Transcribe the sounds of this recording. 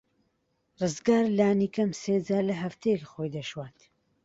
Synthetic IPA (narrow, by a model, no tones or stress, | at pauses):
rɨzɡaːɾlaːnikɐmseːd͡zaːɾlɐɦɐft̪ʰejɛkχojd̪ɐʃwaːt̪